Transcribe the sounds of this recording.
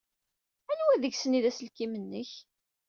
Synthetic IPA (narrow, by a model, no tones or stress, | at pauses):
ænwæðəʝsəniðæsəlkimənːəç